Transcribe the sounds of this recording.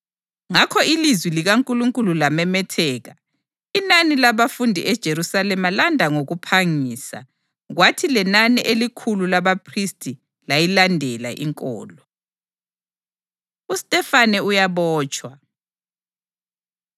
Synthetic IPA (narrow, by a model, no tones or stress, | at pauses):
ŋakʰɔilizwiliɣaŋkʼuluŋkʼululamɛmɛtʰɛːɣa | inanilaβafundʱiʔɛd̥ʒ̥ʱeɾusalɛmalandʱaŋoɣupʰaŋiːsa̰ | ɣwatʰilɛnaniʔelikʰululaβapʰristʼi | lajilandʱɛla̰ʔḭŋkʼɔ̰ːlɔ | ustʼɛfanɛujaβɔːt͡ʃʼwa